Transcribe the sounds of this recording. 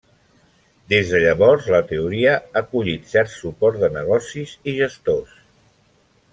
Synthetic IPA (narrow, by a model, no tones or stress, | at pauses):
d̪ezðəʎəβɔɾzlət̪əuɾiəakuʎit̪sɛɾt̪supɔɾt̪d̪ənəɣ̞ɔsiziʒəst̪os